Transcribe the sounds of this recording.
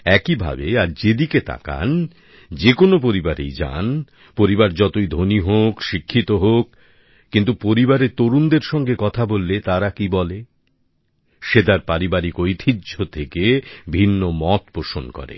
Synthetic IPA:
ɛkibʱa̰beaɾd͡ʑed̪iket̪ʰa̰ka̰n | d͡ʑekonop̬oɾibaɾḛjd͡ʑa̰n | poɾibaɾd͡ʑɔt̪ojd̪ʱoniɦokʃikʰːit̪oɦokː | int̪̬upoɾibaɾet̪oɾund̪eɾʃɔŋɡekɔt̪ʰabolːet̪aɾakibɔle | ʃed̪aɾpaɾibaɾikojt̪ʰidʑʱot̪ʰekebʱinːomɔt̪poʃonkɔ̰ɾḛ

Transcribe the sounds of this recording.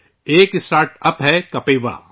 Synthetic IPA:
eːkɪsʈaːɾʈɐpɦɛkɐpeːʋa̰ː

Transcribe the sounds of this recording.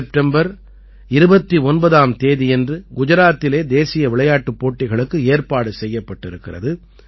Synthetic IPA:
p̚ʈɛmbɐɾ | ɪɾɯbɐt̪ːiɔnbɐðaːmt̪eːðiɛndrɯɡʊd͡ʒɐɾaːt̪ːɪleːd̪eːsɪjɐʋɪɭɐjaːʈːɯpːoːʈːɪɣɐɭɯkːɯeːrpaːɽɯsɛjːɐpːɐʈːɪɾɯkːɪrɐ̰ðɯ

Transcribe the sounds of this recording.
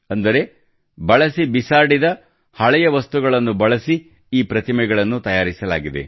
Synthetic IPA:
ɐnd̪ɐɾe̞ | bɐɭɐsibisaːɽid̪ɐ | hɐɭɛjɐʋɐst̪uɡɐɭɐnːubɐɭɐsi | iːpɾɐt̪imɛɡɐɭɐnːut̪ɐjaːɾisɐlaːɡid̪e̞̰

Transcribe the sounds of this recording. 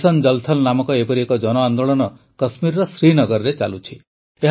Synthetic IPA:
sɔnd͡ʒʌlt̪ʰɔlnamɔkɔepɔɾiekɔd͡ʒɔnɔand̪oɭɔnɔ | kɔsmiɾɾɔsɾinɔɡɔɾɾet͡ʃalut͡ʃʰi | eɦ

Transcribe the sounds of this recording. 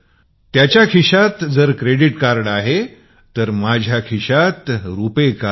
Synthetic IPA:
t̪jat͡ɕjakʰiɕat̪d͡zəɾkɾeɽiʈkaɾɳaɦe | t̪əɾmad͡ʑʱjakʰiɕat̪ɾupeka

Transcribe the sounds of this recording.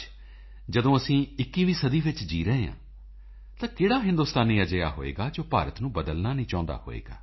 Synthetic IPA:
d͡ʒəd̪õːəsĩːɪkːiːʋiːsəd̪iːʋɪt͡ʃd͡ʒiːɾəɦeã̰ː | t̪ãːkeːɽaːɦɪ̃nd̪uːst̪aːniːəd͡ʒəja̰ːɦo̰ːḛːɡaːd͡ʒoːpa̰ːɾət̪nũːbəd̪əlnaːnĩːt͡ʃãːnd̪a̰ːho̰ːḛːɡa̰ː

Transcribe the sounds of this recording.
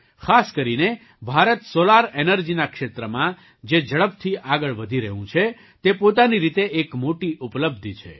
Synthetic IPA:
kʰaskəɾine | bʱaɾət̪solaɾenəɾd͡ʒinakʃet̪ɾəmã | d͡ʒed͡ʒəɭəp̚t̪ʰiʔaɡəɭʋəd̪ʱiɾəɦũt͡ʃʰe | t̪epot̪̬aniɾit̪eʔekmoʈiʔupləb̚d̪ʱt͡ʃʰḛ

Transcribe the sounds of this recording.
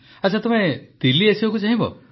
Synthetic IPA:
ɐt͡ʃʰat̪ɔmet̪iliesibakut͡ʃaɦĩbɔ̰

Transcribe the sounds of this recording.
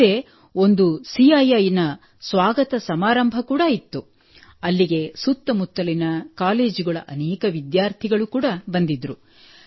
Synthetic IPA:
e | o̞nd̪usiɐjajinɐ | sʋaːɡɐt̪ɐsɐmaːɾɐmbʱɐkuːɽɐit̪ːu | ɐlːiɡe̞sut̪ːɐmut̪ːɐlinɐkaːle̞ːd͡ʒuɡɐɭɐʔɐneːkɐʋid̪jaːɾt̪ʰiɡɐɭukuːɽɐbɐnd̪id̪ɾu

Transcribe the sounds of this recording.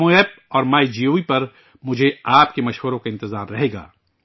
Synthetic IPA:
õeːp̚ɔːɾmaːid͡ʒioːipɐɾ | mʊd͡ʒʱeaːpkemɐʃʋəɾõkaɪ̃nt̪ɪzaːɾɾɐɦeːɡa̰ː

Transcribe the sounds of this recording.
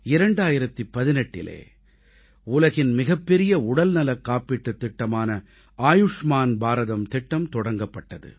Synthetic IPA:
ɪɾɐɳɖaːjɪɾɐt̪ːipːɐðɪnɛʈːɪ̰lḛː | ʊlɐɣɪnmɪɣɐpːɛɾɪjɐʊɽɐlnɐlɐkːaːpːɪʈːɯt̪ːɪʈːɐmaːnɐ | aːjʊʂmaːnbaːɾɐðɐmt̪ɪʈːɐmt̪ɔɽɐŋɡɐpːɐʈːɐðɯ̰

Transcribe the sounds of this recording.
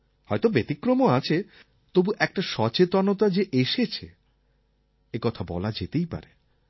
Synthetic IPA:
hɔjt̪obet̪ikɾomoat͡ɕʰe | t̪obuʔɛk̚ʈaʃɔt͡ɕet̪anot̪ad͡ʑeʔeʃet͡ɕʰḛ | ekɔt̪ʰabɔ̰lad͡ʑet̪ejpa̰ɾe

